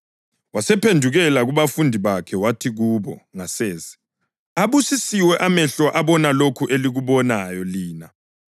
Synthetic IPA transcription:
wasɛpʰendʱuɣɛlaɣuβafundʱiβakʰɛwatʰiɣuβɔŋaseːzi̥ | aβusisiwɛʔamɛɬɔʔaβɔnalokʰuʔeliɣuβɔnajɔliːna

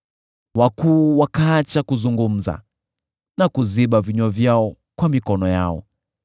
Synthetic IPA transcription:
wakuːwakaːt͡ʃakuzuŋɡum̩za̰ | nakuziɓaviɲɔvjaɔ | kwamikɔnɔja̰ɔ̰

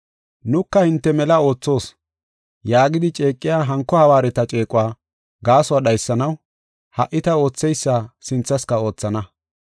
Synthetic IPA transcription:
nʊkːɐhɪnt̪ːɛmɛlɐo̞ːt͡sːo̞ːs | jaːɡɪd̪ɪt͡ʃʼe̞ːkʼːɪjaːɦɐŋkːɔhɐwaːɾɛt̪ɐt͡ʃʼe̞ːkʼʊwaː | ɡaːsʊwaɗɐjsːɐnɐw | hɐʔːɪt̪ɐo̞ːt͡sːɛjsːasɪnt͡sːɐskɐo̞ːt͡sːɐnɐ

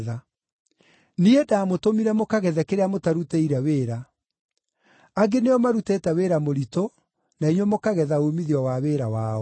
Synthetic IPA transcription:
ða | niedaːmotomiɾɛmokaɣɛðɛkeɾeamotaɾuteiɾɛweːɾa | aɡeneɔmaɾutetɛweːɾamoɾito | naiɲwomokaɣɛðaomiðiɔwaweːɾawaɔ

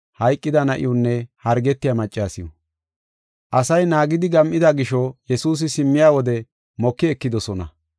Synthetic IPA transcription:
hɐjkʼːɪd̪ɐnɐʔɪ̰jʊnːɛhɐɾɡɛt̪ːɪjamɐt͡ʃʼːaːsɪjɔ̰ | ʔɐsɐjnaːɡɪd̪ɪɡɐmʔɪd̪ɐɡɪʃɔjɛsuːs̬ɪsɪmːɪjaːwɔd̪ɛ | mɔkːɪɛkːɪd̪ɔsɔnɐ

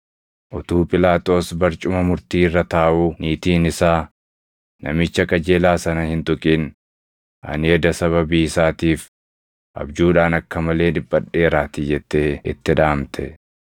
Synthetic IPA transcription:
ʔɔt̪uːpʼɪlaːt̪ʼo̞ːsbɐɾt͡ʃʼʊmɐmʊɾt̪iːɪrːɐt̪aːʔuːniːt̪iːnɪsaː | nɐ̰mɪt͡ʃːɐkʼɐd͡ʒeːlaːsɐnɐhɪnt̪ʊkʼiːn | ʔɐ̰nɪɛd̪ɐsɐβɐbiːɪsaːt̪iːf | ʔɐ̰bd͡ʒuːᶑaːnɐkːɐmɐle̞ːᶑɪbːɐᶑːe̞ːɾaːt̪ɪd͡ʒɛt̪ːeːɪ̰t̪ːɪᶑaːmt̪ʰɛ̰

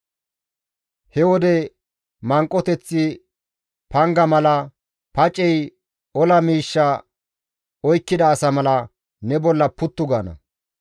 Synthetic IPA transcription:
hɛwɔd̪ɛ | mɐŋkʼːɔt̪ɛt͡sːɪ | pɐŋɡɐmɐlɐ | pɐt͡ʃʼːɛj | ɔlɐmiːʃːɐ | ɔjkːɪd̪ɐːsɐmɐlɐ | nɛbɔlːɐpʊt̪ːʊɡaːnɐ̰

